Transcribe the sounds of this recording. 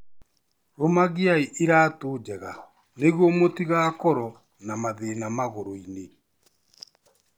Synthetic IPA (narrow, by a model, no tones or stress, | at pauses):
ɾomaɣiaiʔiɾaːtoːd͡ʒɛɣa | neɣwɔmotiɣaːkɔɾɔ | namaðenamaɣoɾoine